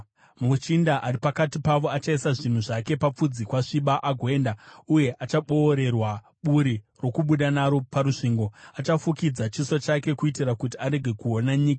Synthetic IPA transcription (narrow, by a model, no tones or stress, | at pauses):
mut͡ʃindaʔaripakatipaʋo̞at͡ʃaisaʐin̤uʐake̞pap͡fud͡zikwaʂiɓaʔaɡʱwe̞ːndauje̞ʔat͡ʃaɓo̞ːɾe̞rwa | ɓuɾi | ro̞kuɓuɗanaɾo̞paɾuʂiːŋɡo̞at͡ʃafukid͡zat͡ʃisot͡ʃake̞kuitirakutiaɾe̞ɡʱe̞kuo̞naɲiːka